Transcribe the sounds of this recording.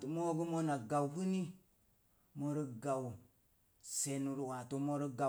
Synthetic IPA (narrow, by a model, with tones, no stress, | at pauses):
tu˨mo˦ɡu˦mo˦na˨ɡa˨wfu˦ni˦ | mo˦ɾi˦ɡa˨w | se˨nu˨ɾu˨wa˨tu˦mo˦ɾi˦ɡa˨